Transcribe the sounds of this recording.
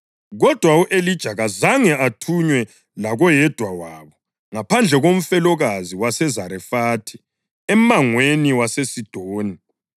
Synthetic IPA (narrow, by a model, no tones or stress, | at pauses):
ɣɔd̥ʱwauʔelid̥ʒ̥ʱaɣazaŋɛatʰuɲwɛ | laɣɔjɛd̥ʱwawaːβɔ | ŋapʰand͡ɮʱɛɣom̩fɛlɔɣaziwasɛzaɾɛfaːtʰi̥ | ɛmaŋweniwasesid̥ʱoːni